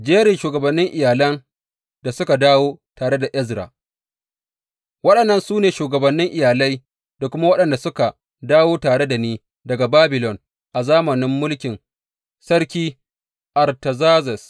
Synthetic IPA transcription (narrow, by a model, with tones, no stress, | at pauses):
d͡ʒeː˦ɾɪ˨ʃuː˨ɡɐ˨bɐ˨nːɪ˦ŋʔɪ˨jaː˨lɐ˦n | da˨sʊ˦ka˨daː˦woː˦taː˨ɽe˦da˨ʔɛ˦zɾa̰ː˨ | wɐ˦ɗɐ˨nːɐ˦nsuː˦neː˨ʃuː˨ɡɐ˨bɐ˨nːɪ˦ŋʔɪ˨jaː˨lɐ˦j | da˨kʷʊ˦ma˦wɐ˦ɗɐ˨nda˨sʊ˦ka˨ | daː˦woː˦taː˨ɽe˦da˨niː˦ | dɐ˨ɡa˨baː˦bɪ˨lɔ˨n | ʔa˨zaː˦mɐ˨nɪ˦mːʊ˦lkʲɪ˨n | sɐ˦ɽkʲiː˦ | ʔa˨rtɐ˨zaː˦zɛ˨s